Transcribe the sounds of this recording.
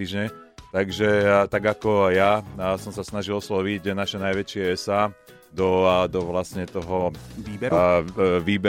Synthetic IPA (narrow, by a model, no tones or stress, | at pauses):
iːʒɲɛt̪aɡʒɛt̪aɡakɔjasɔmsasnaʒilɔslɔʋiɟnaʃɛnajʋɛt͡ʃɪɛɛsaː | d̪ɔd̪ɔʋlasɲɛt̪ɔɦɔiːbɛ | ʋiːbɛ